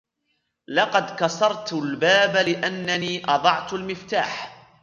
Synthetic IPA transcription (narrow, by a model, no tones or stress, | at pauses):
lɑqɑd̪kɑsɑɾˤt̪lbaːbalɪʔanːaniːʔɑd̪ˤɑʕt̪almɪft̪a̰ːħ